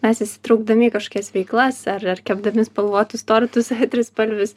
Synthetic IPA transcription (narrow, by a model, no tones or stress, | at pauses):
mʲɛsɪsʲɪ̥t̪ɾɐʊɡ̚d̪ɐmʲiːkɐʃkoːkʲɛsʋʲɛɪklˠɐsɐrɐrkʲɛbd̪ɐmʲɪspɐlˠʋoːt̪ʊst̪oːɾʲɪt̪ʊsɐɪt̪ʲɾʲɪspɐlʲʋʲʊs